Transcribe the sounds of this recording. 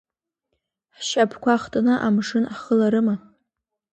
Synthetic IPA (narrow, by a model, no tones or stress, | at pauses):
ħʃapʰkʷaχtʼanɨʔamʂɨnaχəlaɾɨma